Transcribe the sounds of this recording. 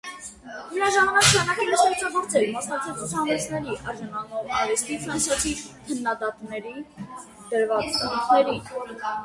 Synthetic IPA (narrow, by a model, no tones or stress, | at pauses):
məɾɑʒɑmɑnɑkʃʰɑnɑkəməʃɛɾt͡sʰɑɡɔɾt͡sɛɾmɑsnɑk̚t͡sʰɛlt͡sut͡sʰɑnɛt͡sʰnɛɾiʔɑɾʒɑnɑnɔvɑɾist̪ifɾɑnsjɑt͡sʰikʰənːɑd̪ɑt̪nɛɾi | d̪̥əɾvɑt͡st͡sʰənut̪ʰnɛɾin